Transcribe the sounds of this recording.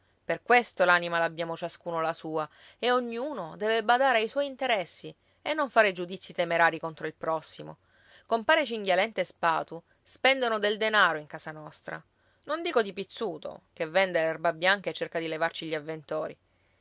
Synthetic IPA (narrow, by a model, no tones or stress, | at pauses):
perkwest̪olaːnimalabjaːmot͡ʃaskuːnolasuːa | eoɲːuːnod̪ɛːvebad̪aːɾeajswɔjint̪eɾɛsːi | enːoɱfaːɾed͡ʒud̪it̪sːit̪emeɾaːɾikont̪ɾoilpɾɔsːimo̰ | kompaːɾet͡ʃiŋɡjalɛnt̪espa̰ːt̪u | spɛnd̪onod̪eld̪enaːɾoiŋkaːsanɔst̪ɾa̰ | nond̪iːkod̪ipit̪sːuːt̪o̰kevːɛnd̪elɛrbabjaŋkaet͡ʃːerkad̪ilevart͡ʃiʎːiavːent̪oːɾḭ